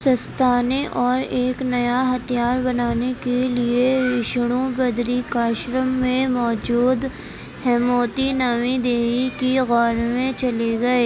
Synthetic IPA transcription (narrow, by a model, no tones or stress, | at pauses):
sɐst̪ʰaːneʔɔːɾeːknɐjaɦɐt̪ʰijaːɾbɐnaːnekelieʋɪʃɽ̃õbɐd̪ɾikaːʃɾəmːẽmɔːd͡ʒuːd̪ | hɛmoːt̪inaːmid̪eːɦikiɣɔːɾmẽt͡ʃɐleɡɐeː